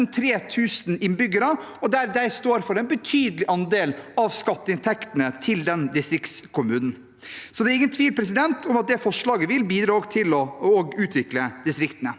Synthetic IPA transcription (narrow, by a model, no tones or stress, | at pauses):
nt̪ʰɾeːt̪ʰʉːsnɪnbʏɡəɾɑ | ɔd̪æɾd̪æɪst̪oːɾfɔɾɛɪnbət̪ʰyːd̪əlɪʔɑnd̪eːlɑʋskɑt̪ːəɪnt̪ʰɛkt̪ənət̪ʰɪld̪ɛnd̪ɪst̪ɾɪkt̪skʰʊmʉːnn̩ | sɔd̪ɛːɾɪŋːənt̪ʰʋiːlpʰɾɛs̬ɪd̪ɛnt̪ʰʊmɑt̪̚d̪ɛfɔʂɭɑːɡəʋɪlbiːd̪ɾɑoɡt̪ʰɪlɔɔɡʉːt̪ʰʋɪkləd̪ɪst̪ɾɪkt̪ənə